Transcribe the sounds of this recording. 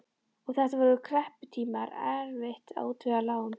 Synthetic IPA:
ɔɣθɛht̪avɔɾʏkʰɾɛhpʏ̥t̪ʰiːmaɾɛɾvɪht̪a̰ːwt̪ʰʏɣalaːwʏm

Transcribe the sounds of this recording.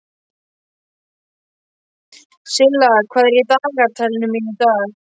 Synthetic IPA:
sɪlːakʰvaːðɛɾɪt̪aːɣaɾt̪ʰalɪnʏminʏt̪aːɣ

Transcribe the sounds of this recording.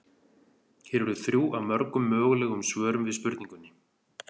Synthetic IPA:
çɛːɾɛɾðʏθɾjuːʔawmœɾkʏmːœːɣlɛːɣʏmsvœːɾʏmvɪðspʏɾt̪nĩŋkʏnːɪ

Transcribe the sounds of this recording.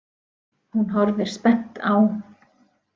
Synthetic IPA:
hunɦɔɾðɪɾ̥spɛn̥t̪aːw

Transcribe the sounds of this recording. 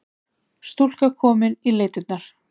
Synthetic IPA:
st̪ul̥kakʰɔːmɪnileːjt̪ɪt̪naɾ̥

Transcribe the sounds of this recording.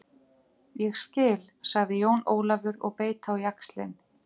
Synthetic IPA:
jɛɣscɪːl | saɣðɪjoːwnoːwlavʏɾɔ̰ɣpeːjt̪ʰawjakslɪ̰n

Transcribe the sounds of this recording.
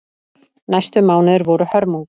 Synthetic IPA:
najst̪ʏmaːwnɪðɾvɔɾʏhœɾmuŋk

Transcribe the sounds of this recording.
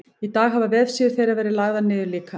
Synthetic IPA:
it̪aːɣɦavavɛð̥sjɛɾ̥θejɾavɛːɾɪðlaɣðanːɪːðʏliːkʰa

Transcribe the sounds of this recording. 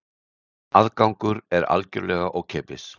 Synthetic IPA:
aðkawŋkʏɾɛɾa̰lcʏɾlɛɣaʔɔɣcʰɛːpɪs

